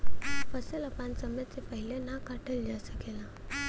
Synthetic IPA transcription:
fəsələpãnsəmət͡sepəɦilenakaʈʰəld͡ʒasəkela

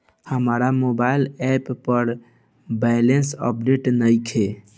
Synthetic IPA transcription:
həmaɾamobaɪlɛpːəɾ | bɛɪlensə̰p̚ɖeʈnəjkʰe

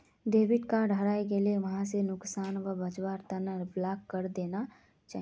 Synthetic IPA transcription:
ɖeːʋɪʈkaɖʱəɾaːek̬elieʋɐɦãsenʊksaːnʋəbɐt͡ʃwaːɾt̪ɐnəɾblaːkːəɾd̪eːna | t͡ʃaːɦ

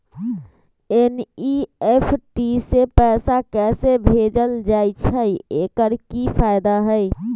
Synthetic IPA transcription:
eniepʰʈisepɛːsakɛsebʱed͡ʒəld͡ʒait͡ʃʰəiekəɾkipʰaɪd̪aɦəj

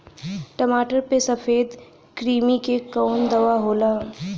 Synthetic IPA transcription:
ʈɐmaːʈəɾpesɐfeːd̪ | kɾiːmikekɔːnd̪ɐʋaɦoːlaː

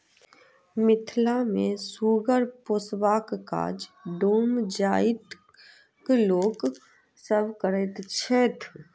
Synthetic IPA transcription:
mɪt̪ʰlamẽsuːɡəɾposwaːkka̰ːd͡ʒɖoːmd͡ʒaːɪt̪ | kloːk | səbʱkəɾət̪t͡ʃʰet̪ʰ

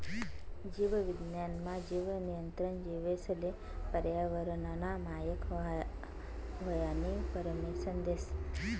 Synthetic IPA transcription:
d͡ʒiʋəʋɪd̪njanmãd͡ʒiʋənijənt̪ɾənd͡ʒiʋesəle | pəɾjaʋəɾənanamajəkʰ | ʋəjanipəɾəmisənd̪eʃ

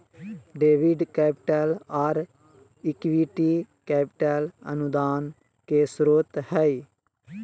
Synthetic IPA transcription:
ɖeːʋɪɖkɛːpɪʈɛːlaːɾ | ɪkʋiːʈiːkɛːpɪʈɛːlə̰nʊd̪aːn | keːsɾoːt̪hɛiː

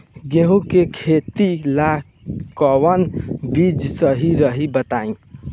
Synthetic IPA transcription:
ɡeɦũkekʰet̪ila | kəwənbid͡ʒsəɦiɾəɦibət̪aĩ

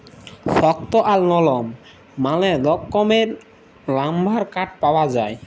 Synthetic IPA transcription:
sɔk̚t̪oʔalnɔlɔmː | aled̪ɔkːɔmeɾ | lambʱaɾkaʈ̚pawad͡ʑaj

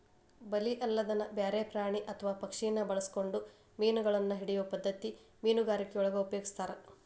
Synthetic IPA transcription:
bɐliʔɐlːɐd̪ɐnɐbjaːɾeːpɾaːɳiʔɐt̪ʰɐʋaːpɐkʂijɐnːɐbɐɭɐsko̞ɳɖu | miːnuɡɐɭɐnːɐɦiɽijopɐd̪ːɐt̪i | miːnuɡaːɾikːeɔɭɐɡɐupɐjoːɡist̪aːɾe

